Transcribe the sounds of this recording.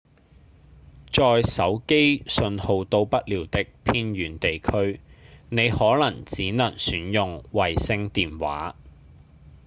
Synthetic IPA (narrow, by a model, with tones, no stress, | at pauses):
t͡ʃɔː˨jsɐ˨˥wke˥jsɵ˧nho˨˧wt̪o˧wpɐ˥t̚liː˨˩wt̪ɪ˥k̚pʰiː˥nɥyː˨˥nt̪e˨jkʰɵ˥ɥne˨˧jhɔː˨˥lɐ˨˩ŋt͡siː˨˥nɐ˨˩ŋsyː˨˥njʊ˨ŋwɐ˨jsɪ˧ŋt̪iː˨nwa̰ː˨˥